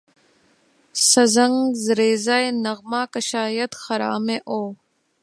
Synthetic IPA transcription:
sɐzəŋɡzɾeːzaːenɐɣmaːkəʃaːjɐt̪xɐɾa̰ːmẽːʔoː

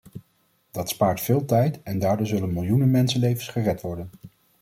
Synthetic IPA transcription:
d̥ɑtspaːɹtfɪːlˠtɛjtɛndaːɹdoːɹzɵlənmɪlˠjunənmɛnsənlejvənsχərɛtʋɔɹdən

